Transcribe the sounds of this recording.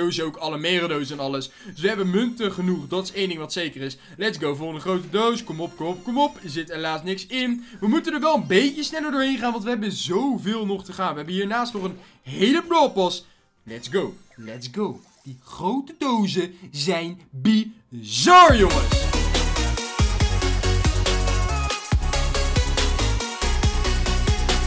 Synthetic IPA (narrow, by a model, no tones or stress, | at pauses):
owizowkɑləmeːrodowzəɛnɑləsdɵsʋəɦɛbənmɵntəχənuχdɑtɪ̥sejndɪŋʋɑtsejkərɪs | lɛtzɡowvoːlˠdəχrowtədowskɔmɔp̚komɔp̚kɔmɔpzɪtelaːstnɪksɪnʋəmutəndəɹʋɛlˠənbejcəsnɛləɹdʊːɹɦejnχaːnʋɑntʋəɦɛbənzowvɪːlˠnɔχtəχaːnʋəɦɛbənɦiːɹnaːstnɔχən | ɦejləplɔːpɑs | lɛtsɡow | lɛtsɡow | d̥iχrowtədowzəzɛjnbizɑɹjoŋəs